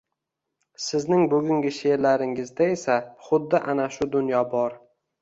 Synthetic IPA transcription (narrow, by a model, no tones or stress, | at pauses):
sɪznɪŋbɵɡʲʊŋɡʲɪʃe̞ɾlaɾɪŋɪzd̪ae̞saχʊd̪ːɪʔanaʃʊd̪ʊnjɒbɒɾ